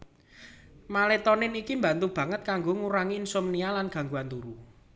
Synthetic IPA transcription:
malet̪ɔnɪnikimba̤nt̪ub̥ä̤ŋət̪̚kaŋɡoŋuɾaŋiːnsumnialanɡ̥a̤ŋɡuant̪uɾu

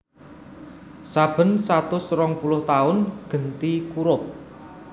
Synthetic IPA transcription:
sab̥ə̤nsat̪ʊsrɔŋpulʊht̪aʊnɡ̥ə̤nt̪ikuɾʊp̚

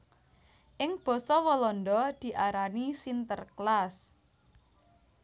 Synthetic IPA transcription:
ʔɪŋb̥ɔ̤sɔwɔlɔnɖɔd̪̥i̤ʔaɾanisint̪ərklas

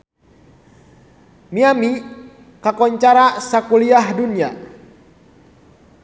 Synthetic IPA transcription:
miami | kakɔɲt͡ʃaɾasakuliahdunia

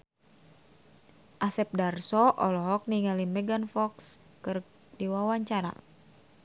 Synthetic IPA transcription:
ʔasɛp̚darsɔʔɔlɔɦɔk̚niŋalimɛɡanfɔks | kɨr | diwawaɲt͡ʃaɾa̰

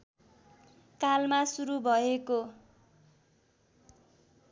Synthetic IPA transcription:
kalmasuɾubʱʌeko

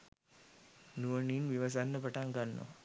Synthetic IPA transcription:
nuʋəninʋiʋɐs̬anːəpaʈaŋɡanːo̰

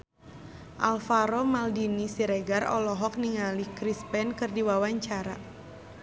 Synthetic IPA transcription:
ʔalfaɾɔmaldinisiɾɛɡarɔ̰lɔɦɔk̚niŋalikɾispɛnkɨrdiwawaɲt͡ʃaɾa

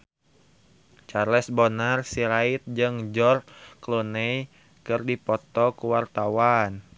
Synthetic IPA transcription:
t͡ʃaɾlɛsbonarsiɾait̪̚d͡ʒɨŋd͡ʒɔrklunɛj | kɨrdipɔt̪ɔkuwart̪awan

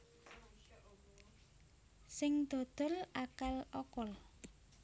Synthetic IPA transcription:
sɪŋd̪̥o̤d̪̥ɔ̤lakalɔkɔl

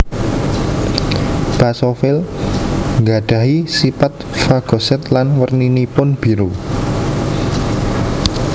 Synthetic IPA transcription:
b̥asofɪl | ŋɡaɖ̥a̤ɦisipat̪̚ | faɡ̥ɔ̤sɛt̪lanwərninipʊnb̥i̤ɾu

